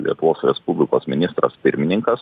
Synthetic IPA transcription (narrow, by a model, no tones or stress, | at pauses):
lʲḭɛt̪ʊʋoːsɾʲɛspubʲlʲɪkoːsmʲɪnʲɪst̪ɾɐ̰spʲɪɾʲmʲɪnʲɪŋkɐs